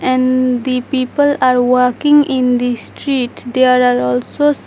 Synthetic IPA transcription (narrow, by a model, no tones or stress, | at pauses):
ɛ̃ɳɖd̪ipiːpəlaːɾʋəɾkɪ̃ŋɪ̃nd̪isʈɾiːʈd̪eaɾaːɾɔːlsos